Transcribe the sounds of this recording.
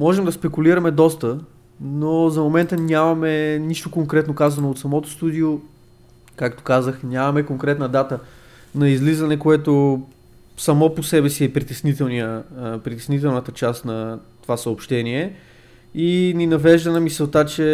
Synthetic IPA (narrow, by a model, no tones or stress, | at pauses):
mɔʒɛmd̪ɐspɛkuliɾɐmɛd̪ɔst̪ə | nozɐmomɛnt̪ənʲamɐmɛniʃt̪okoŋkɾɛt̪nokazɐnoːt̪sɐmɔt̪o̥st̪ud̪io | kakt̪o̥kazəxnʲamɐmɛkoŋkɾɛt̪nəd̪at̪ə | nɐizlizɐnɛkoɛt̪o | sɐmɔposɛbɛsiɛpɾit̪ɛsnit̪ɛlˠniəpɾit̪ɛsnit̪ɛlˠnət̪ət͡ʃast̪nɐt̪ovasəopʃt̪ɛniɛ | ininɐvɛʒd̪ɐnɐmisɛlt̪at͡ʃɛ